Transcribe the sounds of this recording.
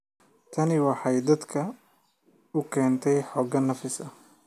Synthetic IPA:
t̪ʰɐnɪwɑħɑjd̪ɐd̪kʰɐ | ʊkʰɛːnt̪ʰɛjħɔːɡɐnːɐfɪsɐ

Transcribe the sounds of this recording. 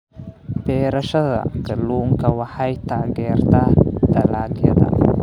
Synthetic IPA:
bɛːɾɐʃɐðɐ̰ɡɐluːŋkʰɐwɑħɑjt̪ʰaːɣɛːrt̪ʰad̪ɐlaːljɐ̰ðɐ̰

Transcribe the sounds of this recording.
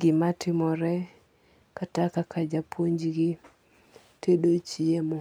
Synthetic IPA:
ɡɪmatʰɪmɔɾɛ | katakakʰad͡ʒapoɲd͡ʒɡɪ | tʰedot͡ʃiemɔ

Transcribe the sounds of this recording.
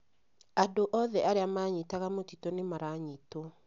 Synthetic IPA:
adoʔɔðɛaɾeamaɲitaɣamotitɔnemaɾaɲitɔ

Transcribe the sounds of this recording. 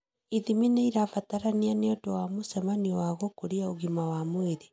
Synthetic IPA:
iðimineiɾafataɾanianeotowamosɛmaniwaɣokoɾiaoɣimawamweðe

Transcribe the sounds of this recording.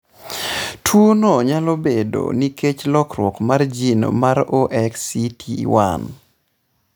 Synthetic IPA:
tʰwonɔɲalobedo̰niket͡ʃlɔkɾwɔkmard͡ʒino̰maɾoʔɛksitʰiwa̰n

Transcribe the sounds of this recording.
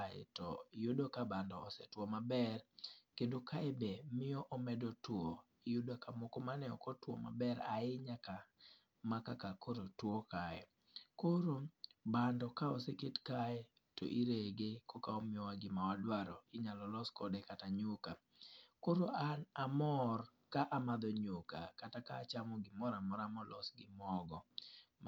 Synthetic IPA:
aɛ̰tɔ̰judokabandɔːsɛtwomabɛrkendokaɛbemɪɔʔɔmɛdotwo | ijudokamokomanɛɔkɔtwɔ̰ma̰bɛɾaɪɲaka | makakakoɾotwokaɛ̰ | koɾobandɔkaɔseketkajɛ | to̰ʔiɾeɡekɔkaɔmɪɔwaɡɪmawadwaɾɔɪɲalɔlɔskɔdɛkataɲʊka | koɾoanamɔr | kaʔamad̪ɔɲʊkakatakaːt͡ʃamɔɡɪmɔɾamɔɾamɔlɔsɡɪmɔɡɔ

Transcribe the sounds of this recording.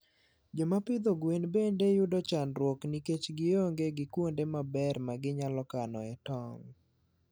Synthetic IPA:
d͡ʒɔmapɪd̪oɡwenbendejʊdɔt͡ʃanɾwɔkniket͡ʃɡɪoŋɡeɡɪkwondemabɛrmaɡɪɲalɔkanɔ̰ɛtɔŋ

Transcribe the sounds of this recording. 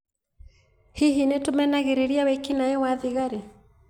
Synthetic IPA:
hiɦinɛtumɛnaɣɛɾɛɾiawɛkinaɛwaðiɣaɾi

